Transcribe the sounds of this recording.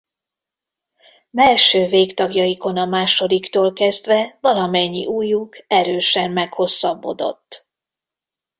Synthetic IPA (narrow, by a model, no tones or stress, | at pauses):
bɛlʃøːveːkt̪ɒɡjɒjiko̞nɒmaːʃo̞d̪ikt̪oːlkɛzd̪vɛvɒlɒmɛɲːḭʔuːjukɛɾøːʃɛmːɛkho̞sːɒbːo̞̰d̪o̞̰t̪ː